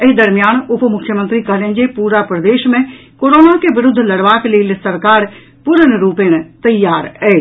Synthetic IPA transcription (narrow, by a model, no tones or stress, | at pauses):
ɪd̪ɐɾmijaːnʊpmʊkʰːjəmə̃nt̪ɾikɐɦlẽn̆d͡ʑepuːɾapɾɐd̪eːʃmẽkoːɾoːnakeʋɪɾʊd̪ʱːlɐɽʋaːklelsɐɾkaːɾ | pʊɾənɾuːpeñt̪ɐjːaːɾɛː